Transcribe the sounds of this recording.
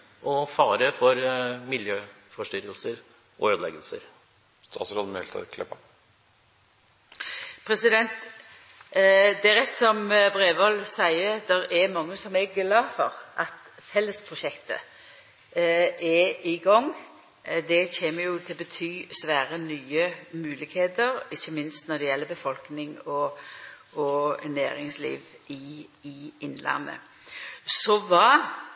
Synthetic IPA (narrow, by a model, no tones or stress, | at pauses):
ʔɔfɑːɾəfɔɾmɪljøːfɔʂʈʏɾəlsəɾ | ɔøːd̪lɛ̰ɡəlsəɾ | st̪ʰɑ̰ːsɾɔd̪mɛlt̪ʰɑ̰kʰlɛbɑ̰ | pʰɾɛsɪd̪ɛnt̪ | d̪ɛæɾʁɛt̪ːsɔmbʁeːʋɑlsæɪəd̪ɛɾɛɾmɑŋːəsɔmɛɡlɑːfɔʁʔɑt̪ | fɛlːəspʰɾʊʃɛkt̪ə̰ | ɛɪɡɔŋː | d̪ɛçeːməjʊt̪ʰɪlbət̪ʰyːsʋæːɾənyːəmʉːlɪkheːd̪əɾɪçːəmɪnst̪nɔd̪ɛjɛlːəbəfɔlknɪŋɔ | ɔnæ̰ːɾɪŋslḭːʋɪɪɪnlɑ̰nːə̰ | sɔʋɑː